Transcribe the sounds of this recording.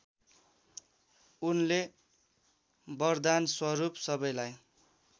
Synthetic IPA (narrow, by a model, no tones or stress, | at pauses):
unle | bʌrd̪answʌɾupsʌbʌjlaj